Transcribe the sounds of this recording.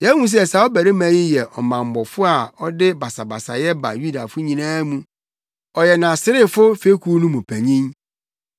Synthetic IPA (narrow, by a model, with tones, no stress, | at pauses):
jɛ˦ŋũ˦s̬sa˨ɔ˦bæ˨ɾɪ˦mæ̃˨˦jĩ˦jɛ˨ʔɔ˨mã˨m˨bɔ˨fʊ˦a˨ɔ˦dɪ˦ba˨sa˨ba˨sa̰˨jɛ˦ba̰˨ju˦da˨fʊ˦ɲĩ˨nãː˦mũ˦ | ɔ˨jɛ˨nã˨sɪ˦ɾɪ˦fʊ˦fe˦kʰu˦nũ˦mũ˨pʰæ˨ɲĩ˦n